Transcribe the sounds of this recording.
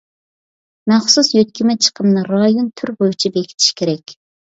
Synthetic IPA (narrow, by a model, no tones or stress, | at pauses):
mæχsusjøt̪̚kʲimɛt͡ʃʰə̥qʰəmnɨɾɑjont̪ʰyɾʁojut͡ʃʰibekʲi̥t̪ʰi̥ʃkʲʰeɾɛkʲ